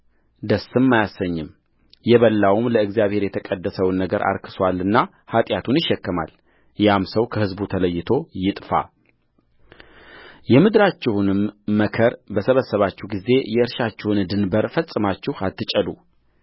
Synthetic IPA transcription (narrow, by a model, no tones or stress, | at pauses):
d̪əsːɨmːajasəɲːɪm | jɛβəlːawumləɨɡzjaβhe̞ɾjɛt̪ʰəkʼəd̪ːəsəwnːəɡəɾʔa̰ɾkʰɨ̥swalɨnːa | hat̪ʼjat̪ʰunjɪʃːɛkːɨma̰l | jamsəwkʰəhɨzbut̪ʰələjːɪt̪ʰo̞jɪt̪ʼfa̰ | jɛmɨd̪ɾat͡ʃːɪhunɨmːəkʰəɾbəsəβəsːəβat͡ʃːɪhɡize̞jɛɨɾʃat͡ʃːɪhund̪ɨnbəɾfəsʼɨmat͡ʃːɪhat̪ːɨt͡ʃʼədu